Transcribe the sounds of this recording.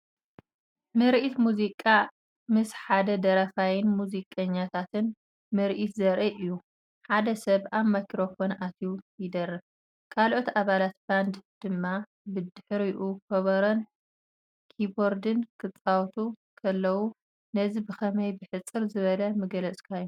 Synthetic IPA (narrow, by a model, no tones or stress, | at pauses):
mɨɾʔit̪muzikʼa | mɨsħad̪ɐd̪ɐɾɐfajɪnmuzikʼɐɲːat̪ʰat̪ɨn | mɨɾʔit̪zɐɾʔɐʔɨjːu | ħad̪ɐsɐβaβmakʰɾo̞fo̞nʔat̪ʰiujɪd̪ɐrɐ | kʰalʔo̞t̪aβalat̪̚band̪d̪̥ɨmːa | bɨd̪ɨħɨɾijʔukʰɐβɐɾɐn | kʰiboɾd̪ɨnkʰɨt͡sʼawt̪ʰukʰɐlːɐwu | nɐzibɨxɐmɐjbɨħɨt͡sʼːɨɾzɨβɐlɐmɨɡɐlɐt͡sʼkʰajːu